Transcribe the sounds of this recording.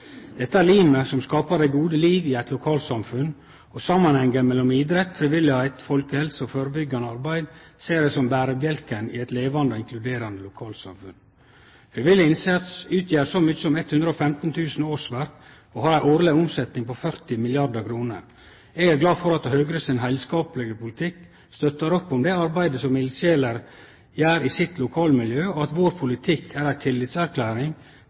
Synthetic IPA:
d̪̥ɛt̪ːəæːɾliːməsɔmskɑːpɑɾd̪æɪɡuːd̪əliːʋɪæɪt̪lʊkʰɑːlsɑmfʉn | ɔsɑmːɑnhɛŋəɾmɛlːɔmiːd̪ɾɛt̪ːfɾɪʋɪlɪhæɪt̪fɔlkəhɛlsəɔføːɾəbʏɡːɑnəɑɾbæɪd̪ | seːd̪ɛsɔmbæːɾəbjɛlkənɪ̰ːɛɪt̪leːʋɑnd̪əɔːɪŋklʉd̪eːɾɑnd̪əlʊkʰɑːlsɑ̰mfʉ̰n | fɾɪʋɪlːɪɪnsɛt̪sʉːt̪ʰjeːɾsɔmʏçəsɔmɛt̪hʉnd̪ɾəoːfɛmt̪n̩t̪ʰʉːsn̩oːɾʂʋæɾk | ɔhɑɾæɪʔoːɾlɛʊmsɛt̪nɪŋpɔfœɾt̪ɪmɪlɪɑɾd̪əkʰɾuːnə̰ɾ | eːɡæɾɡlɑːfɔɾɑt̪ːəhøːɡɾəsɪnɦæɪlskɑːpləɡəpʰʊlɪt̪ʰɪk | st̪œt̪ːəɾɔpːʊmd̪ɛːɑɾbæɪd̪əsɔmːɪlɪseːləɾ | jæːɾisɪt̪lʊkʰɑːlmɪljøːɔɑt̪ʋoːɾpʰʊlɪt̪ʰɪkʰːæːɾæɪt̪ʰɪlːɪt̪sæɾkʰlæːɾɪŋ

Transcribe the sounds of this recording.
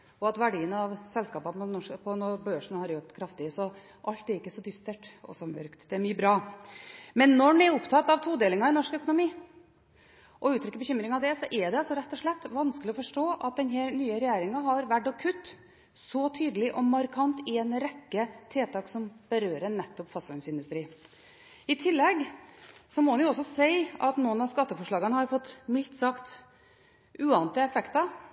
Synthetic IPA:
ɔɑt̪ʋæɖiːənɑʋsɛlskɑːpɑpɔnɔpʰɔnɔbøːʂɳ̩hɑɾjɔt̪kʰɾɑft̪ɪəsɔ | ʔɑlt̪æɾɪkːəsɔd̪ʏst̪əʈɔ̰sɔmœ̰ɾkt̪d̪ɛæɾmyːəbɾɑː | mɛnːɔɳɛɾʊpt̪ʰɑt̪ːɑʋt̪ʰuːd̪eːlɪŋɑɪnɔʂkœkʊnʊmiː | ʔɔʉːt̪ʰɾʏkəbəçʏmɾɪŋɑʋd̪ɛsɔʔɛd̪ɛɑlsɔɾɛt̪ːɔʂɭɛt̪ːʋɑnskəlɪɔfɔʂʈoːʔɑt̪̚d̪ɛnɦɛnyːəɾɛjæːɾɪŋɑɦɑɾʋæʈːɔkʰʉt̪ː | sɔt̪ʰyːd̪əlɪʔɔmːɑɾkʰɑnt̪ɛnɾɛkːət̪ʰeːt̪ʰɑːksɔmb̥əɾøːɾənɛt̪ːɔpfɑsʉnsɪnd̪ʉst̪ɾiː | ɪt̪ʰɪlːɛɡsɔmɔnjʊɔsːɔsæɪɑt̪nuːənɑskɑt̪ːəfɔʂɭɑːɡənəhɑɾfɔt̪ːmɪlt̪sɑkt̪ | ʔʉːɑnt̪ɪəɛfɛkt̪ɑ

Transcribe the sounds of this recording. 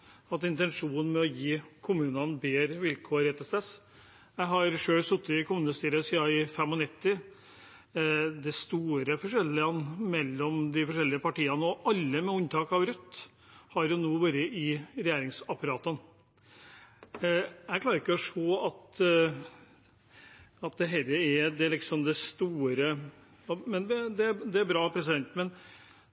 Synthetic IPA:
ɑt̪ɪnt̪ɛnʂuːn̩mɛɔjiːkʰʊmʉːnənbeːɾʋɪlkʰoːɾɛt̪əst̪ɛs | jæɪɦɑɾʂøːɭsʊt̪ːɪkʰʊmʉːnəst̪yːɾəsiːɑɪfɛmːɔnɪt̪ːɪ | d̪ɛst̪uːɾəfɔʂɛlːɪɑnmɛlːɔmd̪ɪfɔʂɛlːɪəpʰɑʈiːɑnəɔʔɑlːəmɛʊnt̪ʰɑːkɑʋɾʉt̪ː | hɑɾjʊnuːʋøɾəʔɪɾɛjeːɾɪŋsɑpʰɑɾɑːt̪ən | æɪkʰlɑːɾɪkːəɔʂoːɑt̪ | ɑt̪̚d̪ɛɦɛlːəɛd̪ɛlɪksɔmd̪ɛst̪uːɾə | ɔmɛnʋɛd̪ɛæd̪ɛæɾbɾɑːpʰɾɛs̬ɪd̪ɛnt̪mɛn

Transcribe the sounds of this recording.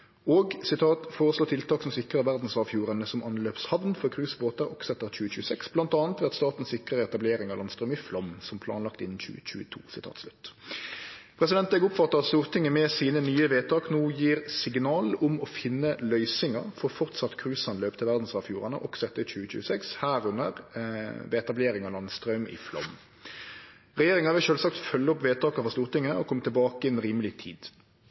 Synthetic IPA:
oːɡsɪt̪ʰɑːt̪foːʁəsloːt̪ʰɪlt̪ʰɑːksɔmsɪkʁəʁʋæʁd̪n̩sʋɑːfjuːʁɑnəsɔmʔɑnløːpshɑʋnfɔʁkʰʁʉːsboːt̪ɑʁɔksɛt̪ːəʁc͡çʉːəçʉːəsɛksb̥lɑnt̪ɑːnt̪ʋɪɑt̪st̪ɑːt̪n̩sɪkʁəʁɛt̪ɑbleːɾɪŋɑʋlɑnst̪ʁœːmɪflɑmsɔmpʰlɑ̰ːnlɑk̚t̪ɪnːn̩çʉ̰ːət͡ɕʉ̰ːət̪ʰṵːsɪt̪ʰɑ̰ːt̪slʉt̪ː | pʰʁɛs̬ɪd̪ɛnt̪ɛɡʊpfɑt̪ːəʁɑt̪st̪uːʁt̪ʰɪŋːəmɛsiːnənyːəʋeːt̪ʰɑːknuːjiːʁsɪɡnɑːlʊmɔfɪnːəlœʏsɪŋɑʁfɔʁfɔʁt̪sɑt̪ːkʰʁʉːsɑnløːpt̪əʋæʁd̪n̩sɑːfjuːʁɑnə̰ʔɔksɔɛt̪ːəçʉːəc͡çʉ̰ːsɛkshæːɾʉnəʁʋɛt̪ɑbleːɾɪŋɑlɑnst̪ʁɑʉmɪ̰flɔ̰m | ʁɛjeːɾɪŋɑʋɪlʃøːlsɑk̚t̪fœlːəɔpʋeːt̪ʰɑːkɑfɔʁst̪uːʁt̪ɪŋːəʔɔkʰɔmt̪ɪlbɑːkəɛnʁiːməlɪt̪ʰḭːd̪

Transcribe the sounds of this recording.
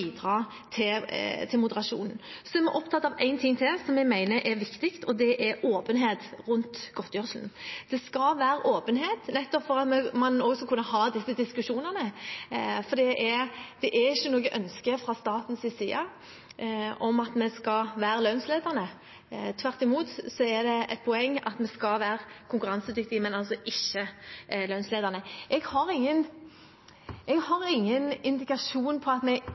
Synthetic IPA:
iːd̪ʁɑː | t̪ʰɪt̪ʰɪlmʊd̪əɾɑʂṵːnn̩sɔæɾmɛʔɔpt̪ʰɑt̪ːɑʋæɪnt̪ʰɪŋːt̪ʰɪlsɔmjɛɡmæɪnəʔɛɾʋɪkt̪ɪkt̪ʰɔd̪ɛʔɛɾoːpənɦeːt̪ʁʉnt̪ɡ̥ɔt̪ːjœʂln̩d̪̥ɛskɑlʋæːɾəʔoːpənɦeːt̪nɛt̪ːɔpfɔʁɑt̪mɛmɑnɔɡsɔkʰʉnːəɦɑːd̪ɪsːəd̪ɪskʉʂuːnəʁnə | fɔd̪ɛːʔɛd̪̥ɛʔæɾɪçːənoːɡəʔœnskəfɾɑst̪ɑːt̪n̩sɪsiːɑ | ɔmɑt̪mɛskɑʋæːɾəlœnsleːd̪əʁnə | t̪ʰʋæʁt̪ɪmuːt̪sɔɛd̪ɛɛt̪̚pʰɔɛŋːɑ̰t̪mɛskɑʋæːɾəkʰʊŋkʉʁɑnsəd̪ʏk̚t̪ɪmɛnɑlsɔʔɪçːəlœnsleːd̪əʁnəʔɛɡhɑɾɪŋːən | ɛɡhɑʁɪŋːənɪnd̪ɪkɑʂuːnpʰɔɑt̪mɛɡ

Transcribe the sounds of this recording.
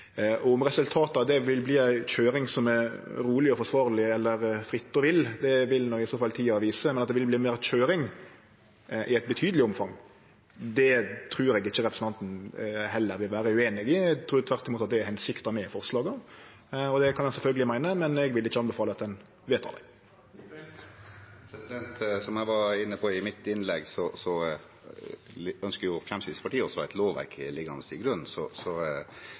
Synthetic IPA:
ʔɔɔmɾɛsʉlt̪ʰɑːt̪əɑd̪ɛʋɪlbliːæɪc͡çøːɾɪŋsɔmæɾɾuːlɪɔfɔʂʋɑːɾlɪɛlːəɾfɾɪt̪ːɔʋɪld̪ɛʋɪlnɔɡɪsɔːfɑlt̪ʰiːɑʋiːsəmɛnɑt̪̚d̪ɛʋɪlbliːmeːɾc͡çøːɾɪŋ | ʔɪæɪt̪̚bət̪ʰyːd̪əlɪɔmfɑŋ | d̪ɛt̪ʰɾʉːɾɛɡɪçːəɾɛpɾəsn̩t̪ɑnt̪n̩hɛlːəɾʋɪlʋæːɾəʉeːnɪɡɪt̪ʰɾuːɾt̪ʰʋæɾt̪ɪmuːt̪ɑt̪d̪ɛæɾhɛnsɪkt̪ɑmɛɪfɔɾslɑːɡə | ɔd̪ɛkʰɑnɛsɛlfœlɡəlɪmæɪnəmɛnɛɡʋɪlːɪçːəɑnbəfɑːləɑt̪̚d̪ɛn | ʋeːt̪ʰɑ̰d̪æ̰ɪ | pʰɾɛsɪd̪ɛnt̪sɔmæʋɑɾɪnːəpʰɔɪmɪt̪ːɪnlɛɡsɔsɔ | œnskəɾjʊfɾɛmsɪd̪əspʰɑʈiːɔsɔæɪt̪loːʋʋæ̰ɾkʰɪ̰lɪɡɑ̰nəst̪ḭːɡɾʉnn̩sɔsɔ

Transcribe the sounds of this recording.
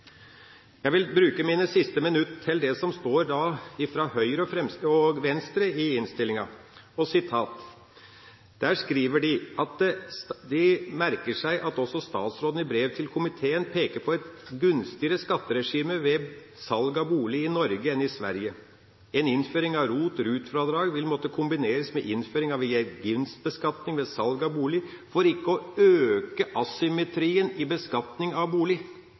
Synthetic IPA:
jæʋɪlbɾʉːkəmiːnəsɪst̪əmɪnʉt̪t̪ʰːɪld̪ɛsɔmst̪oːɾd̪ɑːɪfɾɑhœʏɾəɔfɾɛmst̪əɔɡʋɛnst̪ɾəɪɪnst̪ɪlːɪŋɑ | ɔsɪt̪ʰɑːt̪ | d̪̥æːʂkɾiːʋəɖɪʔɑt̪̚d̪ɪmæɾkəʂæɪʔɑt̪ɔsːɔst̪ɑ̰ːt̪sɾoːd̪n̩ɪbɾeːʋt̪ʰɪlkʰʊmɪt̪ʰeːənpʰeːkəɾpʰɔɛt̪ɡʉnst̪ɪəɾəskɑt̪ːəɾɛʂiːməʋɛ | sɑlɡɑbuːlɪɪnɔɾɡəɛnɪsʋæ̰ɾjə | ɛnɪnføːɾɪŋɑʋɾuːt̪ɾʉːt̪fɾɑd̪ɾɑːɡʋɪlmɔt̪ːəkʰʊmbɪneːɾəsmɛʔɪnføːɾɪŋɑʋɛɛɡʏnst̪̚bəskɑt̪nɪŋʋɛsɑlɡɑbuːlɪ | fɔɾɪkːəɔøːkəʔɑsʏmɛt̪ʰɾiːənɪbəskɑt̪nɪŋɑʋbuːlɪ

